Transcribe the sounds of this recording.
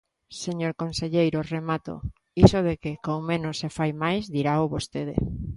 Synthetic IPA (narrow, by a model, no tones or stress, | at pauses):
seɲoɾkõnseʎejɾoremat̪o̰ | isoðekɪkowmẽnosːefajmajzd̪iɾaoβost̪eðḛ